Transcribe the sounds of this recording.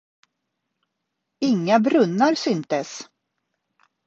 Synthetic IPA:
ɪŋːabɾɵnːaɾsʏnt̪əs

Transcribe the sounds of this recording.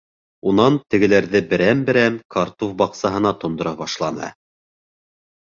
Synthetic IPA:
unɑnt̪ɘ̆ɡɘ̆læɾðɘbɘ̆ɾæmbɘ̆ɾæmkɑɾt̪ofbɑqsɑɦɤ̆nɑt̪ŏnd̪ŏɾɑβɑʃlˠɑnɤ̰

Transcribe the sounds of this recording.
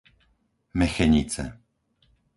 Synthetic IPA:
mɛxɛɲit͡sɛ̰

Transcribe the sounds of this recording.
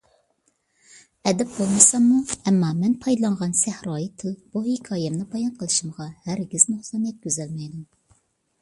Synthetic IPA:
ɛd̪ɛp̚bolˠmɨsɑmːuɛmːɑmɛnpʰɑjd̪ɨlˠɑɴʁɑnsæhɾɑːjit̪ʰɨlˠb̥uhekʰɑːjɛmnɨbɑjɑnqʰəlˠɨʃimʁɑhæɾɡʲiznoχsɑnjɛt̪̚kʲøzɛlmɛjd̪um

